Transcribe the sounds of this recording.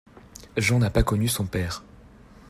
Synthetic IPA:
ʒɑ̃napakɔnysɔ̃pɛːʁ

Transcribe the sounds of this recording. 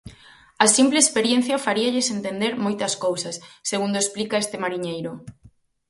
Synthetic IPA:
ɐsimpleespeɾjen̟θjɐfaɾiaʎɪsent̪end̪eɾmojt̪ɐskowsɐsːeɣund̪oesplikaest̪ɪmaɾiɲejɾʊ

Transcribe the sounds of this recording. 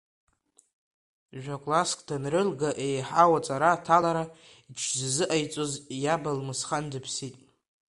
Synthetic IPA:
ʒᶣakʼlaskʰʼdanrɨlɡaʔejħawat͡sʼaɾaːtʰalaɾa | it͡ʃʰzzɨʔajt͡sʼozjabalmɨsχandɨpʰsitʼ

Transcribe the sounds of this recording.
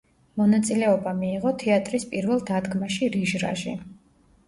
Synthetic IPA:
mɔnat̪sʼilɛɔbamiːʁɔt̪ʰɛat̪ʼɾispʼiɾvɛlˠd̪ad̪ɡmaʃiɾiʒɾa̰ʒḭ

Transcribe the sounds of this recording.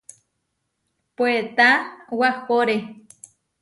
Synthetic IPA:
pwet̪awahpoɾe

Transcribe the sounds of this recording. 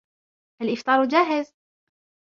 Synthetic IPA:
ʔalʔɪft̪ˤɑːɾˤwd͡ʒaːɦɪz

